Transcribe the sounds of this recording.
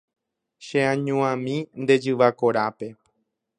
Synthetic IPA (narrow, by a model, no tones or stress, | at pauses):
ʃeãɲũãmĩnd̪e̞d͡ʒɨʋakoɾape̞